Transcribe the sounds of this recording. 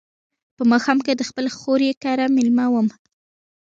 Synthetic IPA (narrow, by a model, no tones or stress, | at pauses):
pəmɑxɑmked̪əxpəlxoɾjekɑɾamɪlmawəm